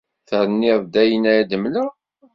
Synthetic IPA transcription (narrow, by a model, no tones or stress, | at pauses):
θəɾˤənːɪðˤd̪æjənæjæd̪əmlæ